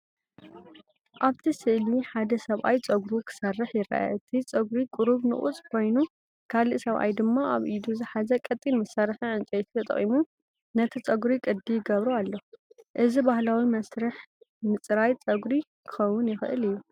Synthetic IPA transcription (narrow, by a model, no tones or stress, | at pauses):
ʔaβt̪ʰisɨʔliħad̪ɐsɐβʔa̰jt͡sʼɐɡɾukʰɨ̥sɐrːɨħjɪɾa̰ʔa̰ɨt̪ʰit͡sʼɐɡɾikʼʊɾuβnɨ̰χʼṵt͡sʼkʰo̞jnu | kʰaliʔsɐβʔa̰jd̪ɨmːaʔaβʔid̪uzɨħazɐkʼɐt̪ʼinmɐsaɾħiʕɨnt͡ʃʼɐjt̪ʰt̪ʰɐt̪ʼɐ̰χʼimu | nɐt̪ʰit͡sʼɐɡɾikʼɨd̪ːijɪɡɐβɾualːɐʔɨzibahlawimɐsɾɨħ | mɨt͡sʼɾajt͡sʼɐɡɾikʰɨ̥xɐwːʊnjɪxɨʔɨlɨjːu